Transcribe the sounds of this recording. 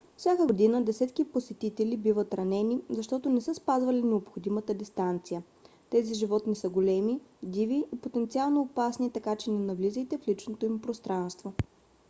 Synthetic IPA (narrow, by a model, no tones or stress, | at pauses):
fsʲjakəod̪inəd̪ɛsɛt̪kiposɛt̪it̪ɛlibivət̪ɾɐnɛnizɐʃt̪ɔt̪onɛsəspazvɐlinɛopxod̪imət̪əd̪ist̪ant̪sijə | t̪ɛziʒivɔt̪nisəɡolɛmid̪iviːpot̪ɛnt̪sialˠnoːpasnit̪ɐkat͡ʃɛnɛnɐvlizəjt̪ɛflit͡ʃnot̪oimpɾost̪ɾanst̪vo